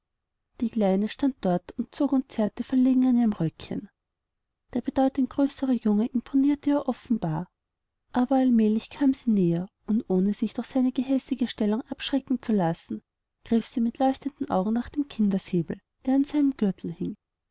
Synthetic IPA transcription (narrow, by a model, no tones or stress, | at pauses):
d̥iːkl̥aɪnəʃtant̚d̥ɔɐtʊnt̚t͡soːkʊnt̚t͡sɛɐtəfɛɐleːɡŋ̩aniːʁəmʁœkçə̰n | d̥eːɐb̥ədɔʏtʊŋɡ̥ʁøːsəʁəjʊŋəʔɪmpʰoniːɐtəjaːʔɔfn̩b̥aːɐ | ʔaːbɐalmɛːlɪçkʰaːmz̥iːneːɐ | ʊntʔoːnəz̥ɪçd̥ʊχsaɪnəɡəɦɛsɪɡəʃtɛlʊŋʔapʃʁ̥ɛkŋ̩t͡sulasn̩ | ɡ̥ʁ̥ɪfsiːmɪtlɔʏçtəndn̩ʔa̰ʊɡŋ̩naχd̥eːmkʰɪndɐseːbl̩ | d̥eːɐanz̥aɪnəmɡ̥ʏɐtʰl̩hɪŋ